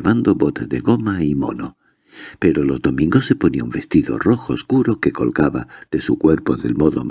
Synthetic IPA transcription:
βand̪oβo̞t̪ezðe̞ɣo̞maimo̞̰no | pe̞ɾo̞lo̞zðo̞mĩŋɡosːe̞po̞niaumbe̞st̪iðo̞̰ro̞xoːskuɾo̞ke̞ko̞̰lkaβa̰ð̥e̞sukwe̞ɾpo̞ðe̞̰lmo̞ðo̰m

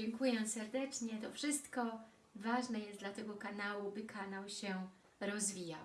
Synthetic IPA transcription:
ɛŋkujɛsɛɾd̪ɛt͡ʂɲɛt̪ɔfʂɘst̪kɔ | vaʐnɛjɛslat̪ɛɡɔkanawubɘkʰanawɕɛ | ɾɔzvʲija̰w

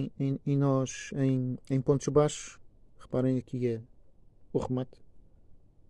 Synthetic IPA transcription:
ẽẽj̃nɔʃẽj̃ẽj̃põnt̪uʒbaʃu̥ʁɨpaɾɐ̃j̃ɐkʰiɐ | uʁɨmat̪

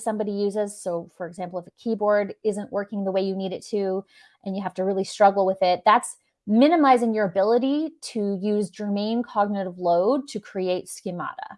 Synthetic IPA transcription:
sʌ̃mbɑɾijʉzɪz̥soʊfə˞ɨɡzæ̃mpl̩ˠəfəkʰibɔɹɾɪzɨ̃nʔwɜ˞kɪ̃ŋðəweɪjɨniɾɨtʰʉ | ʔɨ̃njɨɦæftɨɹɪlˠistɹ̥ʌɡl̩ˠwɪðɪt̪̚ðæts | mɪ̃nɨmaɪzɪ̃ŋjə˞ɨbɪlˠəɾiɾɨjʉzd͡ʒəmẽɪ̃nkʰɑɡ̚nɨɾəvloʊd̚tʰɨkʰɹ̥ieɪtskɨmɑ̰ɾə̰

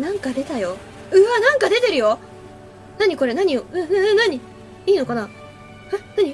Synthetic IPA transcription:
nãŋkad̪e̞t̪ajo | ɯ̟anãŋkad̪e̞t̪e̞ɾɯ̟jo̞ | naɲ̟iko̞ɾe̞naɲ̟ijoɯ̟̃ɯ̃ɯ̃naɲ̟i | iːno̞kana | hanaɲ̟i

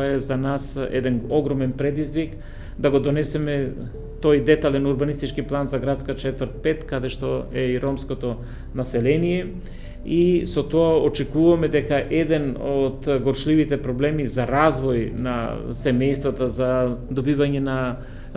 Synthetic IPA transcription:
ɛzanasɛ̰d̪ɛnoɡɾɔmɛnpɾɛd̪izvik | d̪aɡod̪onɛsɛmɛ | t̪ojd̪ɛt̪alɛnuɾbanist̪it͡ʃkiplˠanzaɡɾat̪skat͡ʃɛt̪vəɾt̪̚pɛt̪kad̪ɛʃt̪oɛiɾɔmskot̪o | nasɛlɛnijɛ | isot̪ɔaot͡ʃɛkuvamɛd̪ɛkaʔɛd̪ɛnod̪ɡɔɾʃlivit̪ɛpɾɔblɛmizaɾazvɔjna̰sɛmɛjst̪vat̪azad̪obivaɲɛna

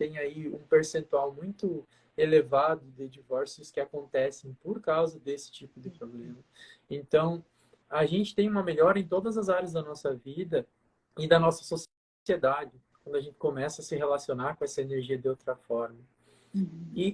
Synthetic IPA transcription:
t̪ẽj̃aiũpeɾsẽnt̪uawmũj̃t̪ʊ | elevad̪ʊd̪ɪd͡ʒivɔɾsjʊskɪakõnt̪ɛsẽj̃poɾkawzɐd̪esɪ̥t͡ʃipʊd̪ɪpɾoblẽmɐẽnt̪ɐ̃w̃ | aʒẽnt͡ʃɪ̥t̪ẽj̃ũmɐmeʎɔɾɐẽt̪̬od̪ɐzɐzaɾjɐzd̪ɐnɔsɐvid̪ɐ | ɪd̪ɐnɔsɐ̥so | sied̪ad͡ʒɪkwɐ̃nd̪ʊɐʒẽnt̪ɪ̥komɛsɐɐsɪɦelasionaɾkõɛsɐeneɾʒiɐd̪ɪowt̪ɾɐfɔɾmɐ | ɪ

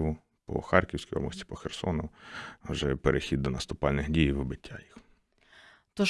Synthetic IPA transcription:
ʋʊ | pɔ̰xɑrkʲiwsʲkijɔ̰mɔsʲtʲi̥pɔxersɔ̰nʊwʒɛpeɾʔexʲid̪̚ːɔnɐst̪ʊpɑlʲnɪxdʲijiʋɪbɪtʲːajix | t̪ɔ

